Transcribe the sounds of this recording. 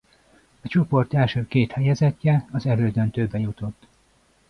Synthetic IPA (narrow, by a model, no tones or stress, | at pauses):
ɒt͡ʃo̞po̞rt̪ɛlʃøːkeːt̪hɛjɛzɛcːɛɒzɛløːd̪ønt̪øbːɛjut̪o̞t̪ː